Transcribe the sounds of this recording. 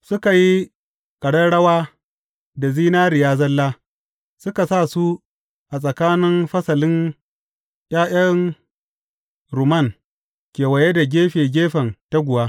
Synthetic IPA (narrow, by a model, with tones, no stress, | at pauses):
sʊ˦ka˨ji˦ | kʼɐ˨ɽɐ˦ɽɐ˦waː˦ | da˨ziː˦naː˦ɾɪ˨jaː˦zɐ˦lːaː˦ | sʊ˦ka˨sa˦˨su˦ | ʔa˨sʼɐ˨kaː˦nɪ˦mɸɐ˦sɐ˨lɪ˦n | j̰ʲʼaː˦ʔɐ˦n | ɾu˨mɐ˦˨ŋ | kʲeː˨wɐ˨je˦da˨ɡʲeː˦ɸeː˨ɡʲeː˦ɸɐ˨nta˦ɡʷʊ˨waː˦